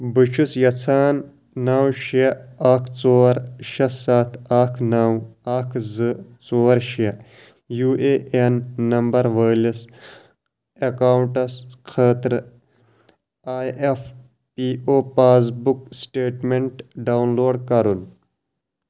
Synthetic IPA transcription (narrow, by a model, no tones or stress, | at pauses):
bɨt͡ʃʰusjɐt͡sʰaːnː | aːwʃeaːkʰt͡soːɾʃɐssaːt̪ʰaːkʰnawaːkʰzɨt͡soːɾʃe | juːʔeʔenːɐmbɐɾʋəːlis | ekaːwuɳʈɐskʰeːt̪ɾ | aːjef | pioːpaːs̬buk̚sʈeːʈmeɳʈɖawnloːɖkɐɾun